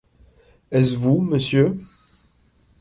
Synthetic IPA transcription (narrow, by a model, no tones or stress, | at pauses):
ɛsvuməsjø